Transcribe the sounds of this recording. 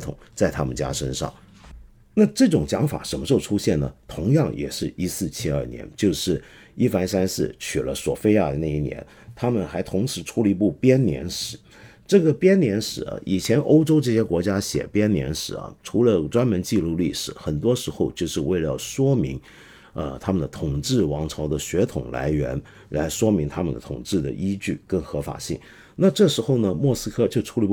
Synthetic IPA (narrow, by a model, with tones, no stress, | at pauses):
t̪ʰʊ̰˨˩˦ŋt͡sa˥˩ɪt̪ʰa˥mə˨nt͡ɕja̰˥ʂə˥nʂɑ̰˥˩ŋ | na˥˧ʈ͡ʂɤ˥˩ʈ͡ʂʊ˨˩ŋt͡ɕjɑ˧˥ŋfa̰˨˩˦ʂə˧˥˩nmə˧ʈ͡ʂo˥˩ʊʈ͡ʂʰu˥ɕjɛ˥˩nnə˩t̪ʰʊ˧˥ŋjɑ˥˩ŋjɛ̰˨˩ʂɻ̩˥˩i˥sɹ̩˥˩t͡ɕʰi˥ɐ̰˞˥˩njɛ̰˧˥nt͡ɕjo˥˧ʊʂɻ̩˥˩ | i˥fa˧˥nsa˥nsɹ̩˥˩t͡ɕʰy˨˩lə˦swɔ̰˨˩fe˥ɪja˥˩d̪ə˩na˥˩i˥˩njɛ̰˧˥n | t̪ʰa˥mə˨nxa˧˥ɪt̪ʰʊ˧˥ŋʂɻ̩˧˥ʈ͡ʂʰu˧˥li˧˥pu˥˩pjɛ˥nnjɛ̰˧˥nʂɻ̩˨˩˦ | ʈ͡ʂɤ˥˩ɡə˩pjɛ˥nnjɛ˧˥nʂɻ̩˨˩˦ɐ̰˧˩ʔi˨˩t͡ɕʰjɛ˧˥nʔo˥ʊʈ͡ʂo˥ʊʈ͡ʂɤ˥˩ɕjɛ˥kwɔ˧˥t͡ɕja˥ɕjɛ̰˨˩pjɛ˥nnjɛ̰˧˥nʂɻ̩˨˩˦ɐ̰˩ʈ͡ʂʰu˧˥lə˧ʈ͡ʂwa˥nmə˧˥nt͡ɕi˥˧lu˥˧li˥˩ʂɻ̩˨˩xə˨˩nt̪wɔ˥ʂɻ̩˧˥xo˥˧ʊt͡ɕjo˥˧ʊʂɻ̩˥˧we˥˧ɪlə˩jɑ̰˥˩ʊʂwɔ˥mi˧˥ŋ | ə˧t̪ʰa˥mə˨nd̪ə˨t̪ʰʊ˨˩ŋʈ͡ʂɻ̩˥˩wɑ˧˥ŋʈ͡ʂʰɑ˧˥ʊd̪ə˨ɕɥɛ˧˥t̪ʰʊ̰˨˩ŋla̰˧˥ɪɥɛ̰˧˥n | la˧˥ɪʂwɔ˥mi˧˥ŋt̪ʰa˥mə̰˨nd̪ə̰˨t̪ʰʊ˨˩ŋʈ͡ʂɻ̩˥˩d̪ə̰˩ʔi˥t͡ɕy˥˩kə˥nxɤ˧˥fa̰˨˩ɕḭ˥˩ŋ | na˥˧ʈ͡ʂɤ˥˩ʂɻ̩˧˥xo˥˩ʊnə˩mwɔ˥˩sɹ̩˥kʰɤ˥˧t͡ɕjo˥˧ʊʈ͡ʂʰu˥li˧˥p